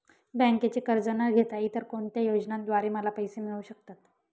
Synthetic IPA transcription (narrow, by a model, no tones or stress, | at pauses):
bɛ̃ŋket͡ɕekəɾd͡zənaɾɡʱet̪ajit̪əɾkoɳt̪jajod͡znãd̪ʋaɾeməlapəjsemiɭuɕək̚t̪at̪